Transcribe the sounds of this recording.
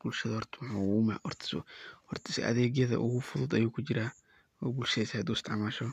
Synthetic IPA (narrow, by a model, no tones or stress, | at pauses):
b̥ʊlʃɐðɐhɔrt̪ʰmħʊːwuːmɐ̰ʔɔrt̪ʰɪ̥sʊ̰hɔrt̪ʰɪ̥sʔɐ̰ðɛːɡjɐðɐ̰ʔʊɣʊfʊðʊd̪ɐjuːkʰʊt͡ʃɪɾaː | wɔːbʊlʃɛjsaːd̪uːst̪ʰɑʕmaːʃɔ